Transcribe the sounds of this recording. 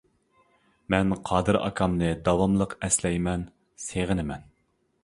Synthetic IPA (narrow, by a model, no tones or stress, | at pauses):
mɛnqʰɑːd̪ɨɾɑ̰kʰɑmnɨd̪ɑwɑmlˠəqɛslɛjmɛn | seʁɨnɪmɛn